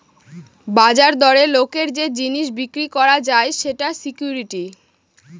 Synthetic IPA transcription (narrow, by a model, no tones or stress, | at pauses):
bad͡ʑaɾd̪ɔɾelokeɾd͡ʑed͡ʑiniʃ̬bikɾikɔɾad͡ʑaeʃeʈasikjuɾiʈi